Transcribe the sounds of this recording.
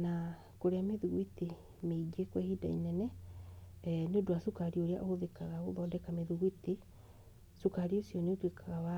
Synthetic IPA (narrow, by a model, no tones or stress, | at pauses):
na | koɾeameðuɣwite | meiɡekwɛhida̰ḭnɛnɛ | neodoasukaɾioɾea̰ʔohoðekaɣaɣoðɔːdɛkameðuɣwiti | sokaɾiosiɔneotekʰaɣawa